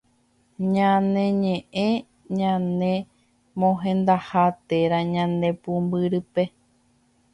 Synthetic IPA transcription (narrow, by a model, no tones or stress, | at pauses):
ɲãnẽ̞ɲẽʔẽ | ɲãnẽ̞ | mõɦẽnd̪ahat̪e̞ɾaɲãnd̪ẽ̞pumbɨɾɨpe̞